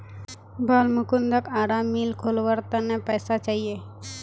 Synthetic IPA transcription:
bʱəlmukund̪əkaɽamːilkʰolʋəɾt̪ənepəjsat͡ʃaɦie

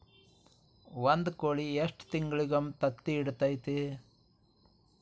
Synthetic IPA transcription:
ʋɐnd̪koːɭieʂʈt̪iŋɡɭiɡɐmt̪ɐt̪ːiːɽt̪ɐjt̪e

